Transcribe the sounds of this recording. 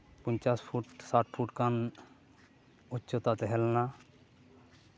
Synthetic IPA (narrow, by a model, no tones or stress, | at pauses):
pənt͡ʃaspʰuʈsaʈ̚pʰuʈkan | utːt͡ʃot̪at̪eɦɛlna